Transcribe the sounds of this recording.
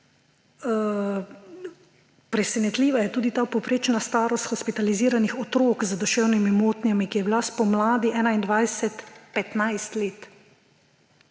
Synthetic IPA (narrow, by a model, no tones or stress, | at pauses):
pɾɛsɛnɛt̪liːʋajɛt̪uːd̪it̪aːpɔwpɾeːt͡ʃnast̪aːɾɔst̪xɔspit̪aliziːɾanixɔt̪ɾoːkzd̪ɔʃɛːwnimimoːt̪nijamikijɛbilaspɔmlaːd̪iʔɛːnaind̪ʋajsɛt̪pɛt̪najst̪leːt̪